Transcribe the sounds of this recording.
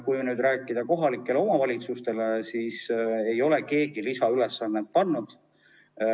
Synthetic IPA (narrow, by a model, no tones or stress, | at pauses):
kujmenyːd̪ræːkːˑid̪̥ɑko̞ɦɑlikˑːe̞leo̞mɑvɑlʲit̪sust̪e̞lesiːsejo̞le̞ke̞ːɡilisɑylesːɑnːet̪̚pɑnːud̪̥